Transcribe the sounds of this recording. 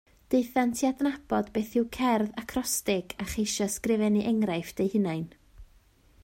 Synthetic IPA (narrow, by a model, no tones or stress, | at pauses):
d̥eɨθantʰiadnab̥ɔdbeːθɪwkʰɛrðakʰrɔstɪɡaχejʃɔskrɪvɛniʔɛŋɾajfd̥ejhɨnajn